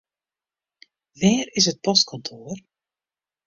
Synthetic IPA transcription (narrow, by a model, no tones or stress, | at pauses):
ʋɛːrɪs̬ət̚pɔst̚kʰɔntʰoər